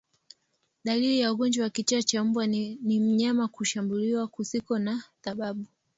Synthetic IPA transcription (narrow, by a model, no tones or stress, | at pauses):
ɗalilijauɡɔnd͡ʒwawakit͡ʃaat͡ʃam̩bwanim̩ɲamakuʃambuliwakusikɔnaθaɓaɓu